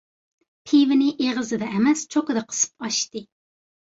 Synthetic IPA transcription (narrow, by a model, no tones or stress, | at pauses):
pʰivɪnɪʔeʁəzɨd̪ɛʔɛmɛst͡ʃʰokɨd̪ɑqʰə̥sɨ̥p̚ɑʃt̪ɨ